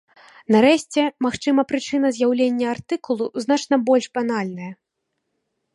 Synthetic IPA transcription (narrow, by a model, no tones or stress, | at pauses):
naɾɛɕʲt͡sʲɛmaxt͡ʂɨmɐpɾɨt͡ʂɨnɐzʲjawlʲenʲːɐart̪ɨkulˠuzn̪at͡ʂnɐbɔlʲʂbanalʲnɐjɐ